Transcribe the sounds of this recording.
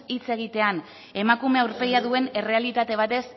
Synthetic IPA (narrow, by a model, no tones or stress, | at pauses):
it͡se̞ɣ̞it̪e̞an | e̞makume̞awɾpe̞ɣiaðue̞ne̞re̞alit̪at̪e̞β̞at̪e̞s